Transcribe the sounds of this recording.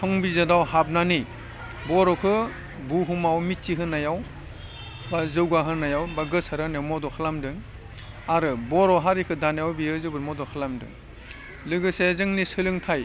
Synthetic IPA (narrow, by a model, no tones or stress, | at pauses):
tʰɔŋbizadawhab̚nani | bɔɾɔkʰɯ | buɦumawmitt͡ʃiɦɯnajaw | bazɯwɡaɦɯnːajawbaɡɯsaɾanajawmɔdɔkʰɯlamdɯŋ | aɾɯbɔɾɔɦaɾikʰɯdanjawbiɯzɯbɯɾmɔdɔkʰɯlamdɯ̰ŋ | lɯɡɯsezɯŋnisɯlɯŋtʰaj